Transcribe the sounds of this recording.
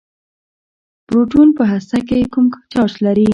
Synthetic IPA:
pɾoʈunpəɦasakekumt͡ʃɑt͡ʃlaɾi

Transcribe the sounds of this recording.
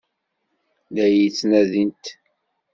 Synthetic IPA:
ðæjit͡sːnæðint̪

